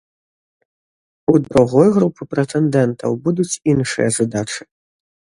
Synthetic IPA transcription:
ud̪ɾuɣɔjɣɾupɨpɾɛt̪ɛnd̪ɛnt̪ʰɐ̰wbud̪ut͡sʲinʂɨ̰jɐzad̪at͡ʂɨ̥

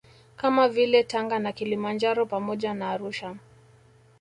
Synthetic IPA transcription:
kamavilɛtaŋɡanakilimand͡ʒaɾɔpamɔʄanaːɾuʃa

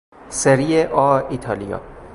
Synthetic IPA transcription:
seɾieʔɒit̪ʰɒːlijɒ̰ː

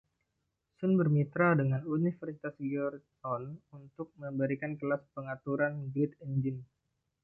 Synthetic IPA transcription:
sʊnbərmit̪ɾadəŋanunifərsit̪asɡɔrt̪ | ɔnunt̪ʊk̚məbəɾikankəlaspəŋat̪uɾanɡɾɪt̪ənd͡ʒɪn

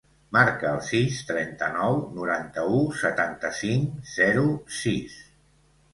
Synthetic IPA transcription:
maɾkəːlˠsist̪ɾɛnt̪ənɔwnuɾant̪əusət̪ant̪əsiŋz̥ɛɾusis

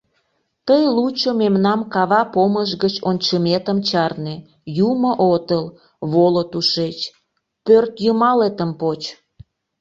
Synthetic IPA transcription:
t̪əjlut͡ɕomemnɑmkɑβɑpoməʒɣət͡ɕonʲt͡ɕəmet̪əmt͡ɕɑrne | jumoʔot̪əl | βolot̪uʃet͡ɕ | pørt̪jəmɑlet̪əmpot͡ɕ

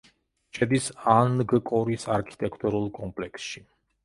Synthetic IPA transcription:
ʃʰɛd̪isanɡkʼɔɾisaɾkʰi̥t̪ʼɛkʰt̪ʼuɾulˠkʼɔmpʼlɛksʃi

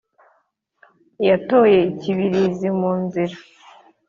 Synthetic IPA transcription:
jato̞je̞iciβiɾizimuːnziɾa

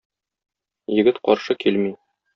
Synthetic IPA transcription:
jɘ̆ɡɘt̪qɒɾʃɤkilmi

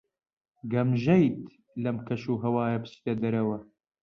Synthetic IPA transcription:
ɡɐmʒɐjt̪ | lɐmkʰɐʃuːɦɐwaːjɐpɨ̥t͡ʃt̪ed̪ɐɾɐwɐ

